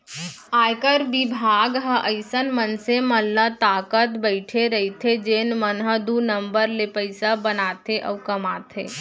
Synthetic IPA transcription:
aːjkəɾbɪbʱaːɡɦəʔəɪsənmənseməlːət̪aːkət̪bəɪʈʰeɾəɦit̪ʰed͡ʒeːnmənɦəd̪unə̃mbəɾlepəɪsabənaːt̪ʰeʔɔʋkəmaːt̪ʰeː

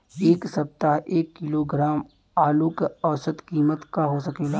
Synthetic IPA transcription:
eːksɐp̚t̪aɦeːkːɪloːɡɾaːm | aːlukɐʋsət̪kiːmət̪kaɦosɐkeːɡa

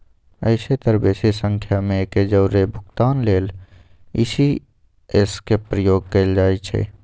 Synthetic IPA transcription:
ə̰ɪset̪əɾbeːsesə̃ŋkʰjamẽked͡ʒəʊɾebʱʊkt̪aːnleːl | ɪ̰si | eskepɾəjoːɡ̚keld͡ʒaːit͡ʃʰḛː

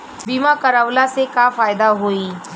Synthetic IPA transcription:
biːmãkəɾəʋlasekafaːjd̪aɦoiː

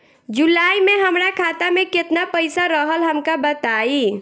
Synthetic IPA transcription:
d͡ʒulaːimẽɦəmɾakʰaːt̪amẽkɪt̪napəɪsaɾəɦəlɦəmkabət̪aːi

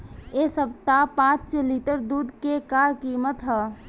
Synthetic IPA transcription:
esəb̚t̪apãːt͡ʃt͡ʃliʈəɾd̪uːd̪kekaɾkiːmət̪ɦɛ

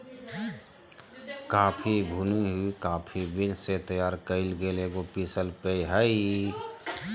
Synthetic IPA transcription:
kaːpʰibʱuniɦuikaːpʰibɪnset̪əjaːɾkəɪlɡeleɡopisəlpeiɦəi

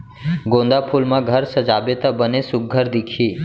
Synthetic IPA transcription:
ɡõnd̪apʰulmãɡʱəɾsəd͡ʒabet̪əbənesʊk̚ːəɾd̪ikʰiː

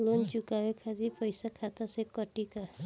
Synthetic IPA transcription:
lond͡ʒukawekʰazipəjsakʰat̪asekəʈika

